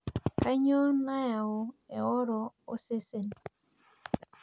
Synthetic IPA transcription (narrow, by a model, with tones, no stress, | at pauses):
ka˦ɲo˦na˦ja˨o˨ɛ˨ɔ˦ɾɔ˨o˦se˦se˨n